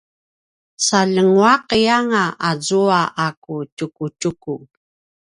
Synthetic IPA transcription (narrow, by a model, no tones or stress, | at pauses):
saʎəŋwaqjaŋaʔazuaʔakutukutuku